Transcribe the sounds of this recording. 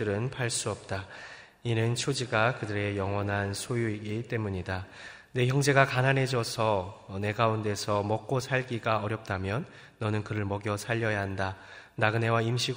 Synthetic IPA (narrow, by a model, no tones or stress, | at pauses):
ɯɾɯnpʰaɭs͈uʌp̚t͈a | inɯnt͡ɕʰod͡ʑiɡakɯdɯɾe̞jʌŋwʌnɦansʰojuiɡit͈e̞muɲida | ne̞çjʌŋd͡ʑe̞ɡakananɦe̞d͡ʑʌsʰʌne̞ɡaunde̞sʰʌmʌk̚k͈osʰaɭɡiɡaʌɾjʌp̚t͈amjʌnː | ʌnɯnkɯɾɯɭmʌɡjʌsʰaʎːʌjaɦanda | naɡɯne̞waimɕʰiɡ